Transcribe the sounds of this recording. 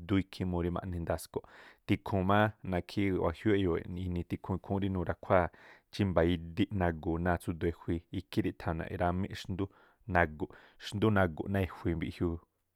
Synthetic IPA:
d̪u˦i˧kʰĩ˦mõ˧ɾi˦mã̰˧ʔnĩ˧nd̪a˧sko˨t̪i˧kʰũ˨mãː˦nã˧kʰi˦wa̰˨hju˦e˦jo˨ḛ˨i˧nĩ˧t̪i˧kʰũ˧i˧kʰũ˦ɾi˦nũː˧ɾa˧kʷʰa˦˨t͡ʃi˦mba˨i˧d̪i˦ʔnã˧ɡu˨nãː˧t͡su˦d̪u˧e˧hwi˧i˧kʰĩ˦ɾi˦˧t̪ʰã˨nã̰˨ʔḛ˧ɾa˧mẽ˦ʔʃnd̪u˦ | nã˧ɡu˨ʔ | ʃnd̪u˦nã˧ɡṵ˨ʔnã˧e˧hʷi˧mbi˧hju˧

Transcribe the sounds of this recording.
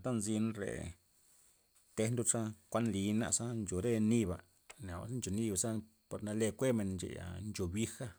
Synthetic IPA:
t̪a˦nzi˧nɾḛ˨ | t̪e˧nd̪u˦ʂa˦kʷa˦nli˧˦na̰˧sa˦nt͡ʃo˨ɾe˦ni˧ba̰˨ | na̰˨˧˦snt͡ʃo˨ni˦˧ba˨sa˦ | po˧ɾna˧le˧kʷe˦me˨nnt͡ʃḛ˨ja̰˨nd͡ʒo˨bi˦xa˦

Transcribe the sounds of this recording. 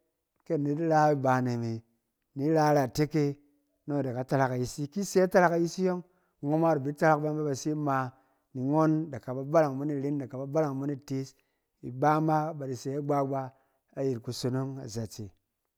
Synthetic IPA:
ke˦nːi˨˦di˦ɾa˦i˦ba˨ne˨mi˨ | ni˨˦ɾa˦ɾa˨te˦ke˦ | no˦˨da˨ka˨ta˧ɾa˨ka˨ji˦si˦ki˦se˦a˦ta˦ɾa˨˦ka˨ji˦si˦jo˦ŋ˨ | ŋo˦ma˦ɾi˨bi˨˦ta˦ɾa˦kba˦n˦be˦ba˧si˦ma˧ | ni˨ŋo˦nda˨ka˨ba˨ba˦la˨ŋbo˦ni˦ɾi˦nda˨ka˨ba˨ba˦la˨ŋbu˦ni˦te˦s | i˨ɡ͡ba˦ma˦ba˨di˨se˨˦a˦ɡ͡ba˦ɡ͡ba˧ | a˦ji˨tku˨so˧no˦ŋa̰˨za˨t͡se˨

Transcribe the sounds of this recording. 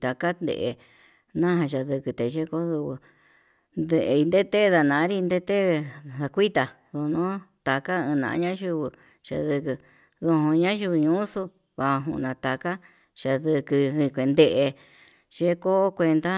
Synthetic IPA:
t̪a˨ka˦nd̪ḛ˧˨ʔe˧ | nã˦ɦã˧ʃa˧ðɨ˧kɨ˧t̪e˨˧ʒe˦ko˦ðu˧βu˧ | nd̪e˧ʔi˧nd̪e˦t̪e˦˧ða˧nã˨˦ɾi˦˧nd̪e˦t̪e˦ða˧kʷi˦t̪a˧ | ðo˧nũ˦t̪a˧ka˦ɨ̃˧nã̰˨˧˦ɲã˦ʒu˧βɨ˧ | ʃa̰˧ðɨ˧kɨ˧ | ðo˧ɦũ˧ɲã˦ʒu˧βu˧ɲũ˦su˧ | βa˧ɦṵ̃˧ʔnã˧t̪a˧ka˦ | ʃa˧ðɨ˧kɨ˧ĩ˧kʷe˧nd̪e˧ʔe˧ | ʒ̥e˦ko˦kʷe˧nd̪a˦

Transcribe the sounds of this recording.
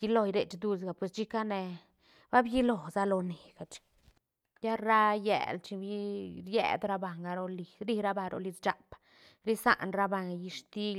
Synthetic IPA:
ji˧lo˧jɾe˨t͡ʃd̪u˦s̬ɡa˨pwe˨st͡ʃi˦ka˦ne˧ | ba˦bji˦lo˨za˦lo˧ne˨ɡ̥a˨t͡ʃi̥˨ | ja˦ɾa˦jḛ˨lt͡ʃi˧bi˦ɾjḛ˦d̪ɾa˦ba˨ŋɡa˧ɾo˧li˧ɾi˧ɾa˦ba˧ɾʔo̰˧li˧t͡st͡ʃa˨p | ɾi˦sa̰˦˨ʔnɾa˦ba˧ŋɡji˧ʂt̪i˦

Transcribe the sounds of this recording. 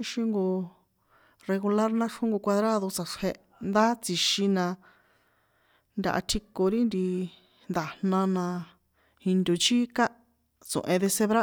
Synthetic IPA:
ʃĩ˧ŋɡo˧ | re˧ɣu˧la˦ɾnã˦ʂũ˦ŋɡo˧kʷa˧ðɾa˦ðo˧t͡sa˨ʂhe˧ | nd̪a˦t͡si˧ʃi˧nã˧ | nd̪ʲa̰˧ʔa̰˧t̪ʰi˧ko˧ɾi˦nd̪i˧ | nd̪a˨nnã˧nã˧ | hĩ˧nd̪o˨t͡ʃi˦ka˦ | t͡sõ̰˨ʔẽ˧ðe˧se˧βɾa˦

